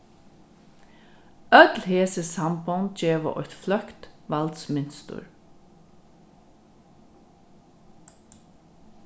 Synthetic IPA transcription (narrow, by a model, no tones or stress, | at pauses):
œt̪lheːsəsampɔnt̪̚d͡ʒeːʋə̰ʔɔ̰jt̪flœkt̪ʋalt̪smɪnst̪ʊ̰ɹ